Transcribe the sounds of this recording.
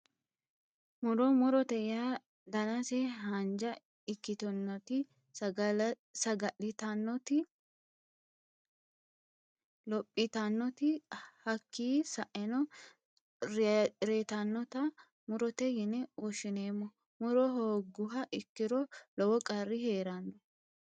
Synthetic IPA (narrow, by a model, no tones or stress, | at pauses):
mʊɾɔmʊɾɔt̪ɛja | d̪ɐnɐsɛɦɐnd͡ʒɐ | ɪkːɪt̪ɔnːɔt̪ɪ | sɐɡɐʔɪt̪ɐnːɔt̪ɪ | lɔpʼːɪt̪ɐnːɔt̪ɪhɐkːiːsɐʔɛnɔ | ɾɾet̪ɐnːɔt̪ɐ | mʊɾɔt̪ɛjɪnɛɔʃɪneːmːɔ | mʊɾɔɦoːɡʊɦɐʔɪkːɪɾɔlɔwɔkʼɐɾːɪheːɾɐndɔ